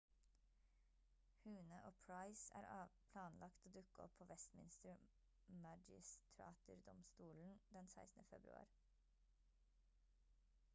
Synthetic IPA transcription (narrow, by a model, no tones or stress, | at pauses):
hʉːnəʔoːpʰɹɑɪsæ̰ːɾɑːpʰlɑːnlɑkt̪oːd̪ʉkəɔ̰pʰoːʋɛst̪mɪnst̪əɾ | mɑd͡ʒɪ̰st̪ʰɾɑ̰ːt̪ʊɾd̪ɔmst̪uːln̩d̪ɛnsæɪsn̩əfɛbɾʉɑ̰ːɾ